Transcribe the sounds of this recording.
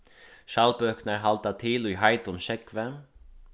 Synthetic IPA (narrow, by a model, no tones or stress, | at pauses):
ʃɑlpœknəɹɦɑlt̪at̪ʰɪlyːɦɑɪt̪ʊnʃɛkʋə